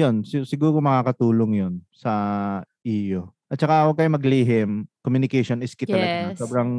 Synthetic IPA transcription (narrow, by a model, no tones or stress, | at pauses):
jonsɪsɪɡuːɾomɐŋaːkɐt̪uːloŋjonsɐʔiːjoʔɐt̪̚t͡ʃɐkawɐɡ̚kɐjomɐɡliːɦɪmkomjunɪkɛjʃonʔɪskɪt̪ɐlɐɡɐsoːbɾɐŋ